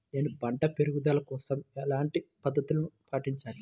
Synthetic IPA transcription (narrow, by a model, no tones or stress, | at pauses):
enibɐɳʈɐpeɾuɡud̪aːlɐkɔːsɐmɛlaːɳʈipɐd̪ːɐt̪ulɐnupaːʈiɲt͡ʃaːli